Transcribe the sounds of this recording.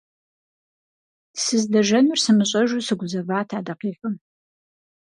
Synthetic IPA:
sɨzdɐʒɐnʊrsɨmɨɕʼɐʒusɨɡʷʊzɐvaːtʰaːdɐqiːxɨm

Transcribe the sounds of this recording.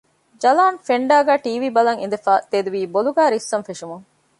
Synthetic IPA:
d͡ʒɐlaːnfeɳɖæːɡæːʈiːʋiːbɐlɐŋḭnd̪efaːt̪ed̪uʋiːboluɡæːɾisːɐnfeʂumuŋ

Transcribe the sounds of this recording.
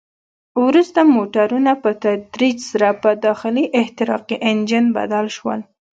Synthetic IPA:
wɾust̪amoʈaɾunapət̪ad̪ɾid͡ʒsaɾapəd̪ɑxɪliʔɪht̪ɪɾɑ̰qiʔend͡ʒɪnba̰d̪alʃwə̰l

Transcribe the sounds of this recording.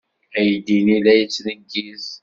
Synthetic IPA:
æjd̪inilæjət͡sːnəɡiz

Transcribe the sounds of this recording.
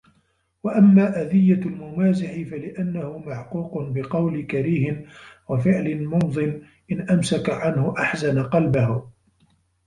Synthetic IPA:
waʔamːaːʔad̪ɪjːalmʊmaːzɪħɪfalɪʔanːahʊmaʕquːqʊnbɪqɑwlɪkaɾiːhɪnwafɪʕlɪnmʊnd̪ˤɨn | ʔɪnʔamsakaʕanhʊʔaħzanaqɑlbahʊ

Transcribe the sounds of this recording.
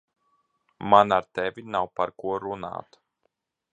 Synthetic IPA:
manaɾt̪ɛvʲinawpaɾkuɔɾuna̰ːt̪

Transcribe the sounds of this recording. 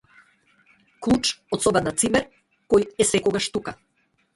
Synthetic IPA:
klˠut͡ʃɔt̪sɔbɛnat̪simɛɾ | kɔjɛsɛkɔɡaʃt̪uka

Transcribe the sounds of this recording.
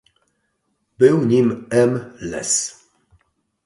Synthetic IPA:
bɘwɲimɛmlɛ̰s

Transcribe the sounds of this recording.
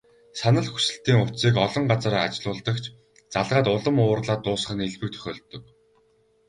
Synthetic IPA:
sanə̆ɮxu̥sɘ̆ɬt̪iːŋʊt̪siːkɔɮɞ̆ɴɢat͡sə̆ɾa̰t͡ɕɮʊːɮt̪ə̆kt͡ɕʰ | t͡saɮʁaːt̪ʊɮɞ̆mʊːrɮaːt̪ːʊːs̆χə̆neɮpɘ̆k̚t̪ʰœ̥xʲɔːɮt̪ːɵ̆k̚

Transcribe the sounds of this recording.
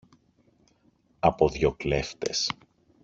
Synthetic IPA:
ɐpoðʝokle̞ft̪e̞s

